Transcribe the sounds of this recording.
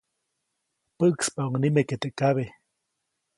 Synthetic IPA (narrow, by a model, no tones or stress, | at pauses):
pəʔkspauŋnimeket̪eʔkaβe